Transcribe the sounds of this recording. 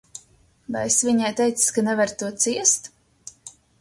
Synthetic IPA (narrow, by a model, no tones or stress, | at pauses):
vajesviɲajt̪ɛjt̪sskanɛvaɾt̪uɔt̪siɛst̪